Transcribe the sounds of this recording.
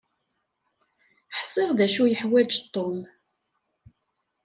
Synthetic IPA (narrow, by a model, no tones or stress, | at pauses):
ħsˤɪʁðæʃujəħwæd͡ʒt̪ˤːom